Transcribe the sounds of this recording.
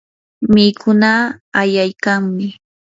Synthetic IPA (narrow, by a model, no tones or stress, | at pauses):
mɪkʊnaːjajkaŋmɪ